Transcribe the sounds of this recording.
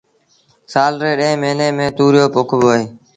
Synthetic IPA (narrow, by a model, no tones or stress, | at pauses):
saːlɾeːɗẽːmeːneːmẽːt̪uːɾɪjoːpʊkʰʋoːeː